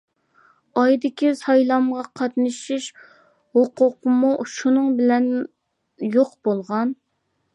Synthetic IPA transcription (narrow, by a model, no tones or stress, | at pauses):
ɑjd̪ɪkʲisɑjlˠɑmʁɑqʰɑt̪nɨʃiʃ | hoqʰʊqəmuʃunɨŋbɪlɛn | joqbolˠʁɑn